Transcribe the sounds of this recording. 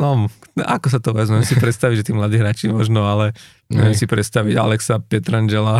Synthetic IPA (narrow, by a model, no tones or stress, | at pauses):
nɔma̰kɔs̬at̪ɔʋɛzmɛɛmsipɾɛt̪st̪aʋiɟʒɛt̪iːmlad̪iːɦɾaːt͡ʃimɔʒnɔalɛ | mɛɛmsipɾɛt̪st̪aʋiɟa̰lɛksapɛt̪ɾand͡ʒɛla